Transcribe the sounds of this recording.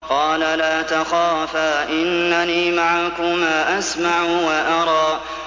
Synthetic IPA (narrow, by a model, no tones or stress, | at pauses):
qɑːlalaːt̪axaːfaːʔɪnːaniːmaʕakʊmaːʔasmaʕʊwaʔɑɾˤɑː